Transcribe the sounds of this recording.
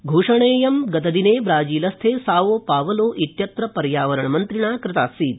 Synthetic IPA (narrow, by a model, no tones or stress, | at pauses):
ɡʱuːʂɐɳeːjɐmɡɐt̪ɐd̪ineːʋɾaːd͡ʒiːlɐst̪ʰeːsaːʋoːpaːʋɐloːʔit̪jɐt̪ɾɐpɐɾjaːʋɐɾɐɳɐmɐnt̪ɾiɳaːkɾɪt̪aːsiːt̪̚